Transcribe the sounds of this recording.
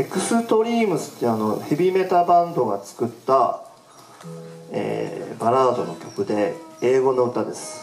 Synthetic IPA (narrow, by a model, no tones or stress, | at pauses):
e̞kɯ̟sɨt̪o̞ɾʲiːmɯ̟sɨ̥t̪ːeano̞çibʲime̞t̪abãnd̪o̞ɡat͡sɨ̥kɯ̟t̪ːa | ḛːbaɾaːd̪o̞no̞kʲo̞kɯ̟d̪e̞eːɡo̞no̞ɯ̟t̪ad̪e̞sɨ̥